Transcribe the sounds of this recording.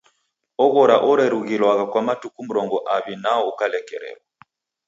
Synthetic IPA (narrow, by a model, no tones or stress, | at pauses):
ɔɣɔɾaʔɔɾɛɾuɣilwaɣakwamatukum̩ɾɔŋɡɔʔaβinaɔukalɛkɛɾɛ̰lwa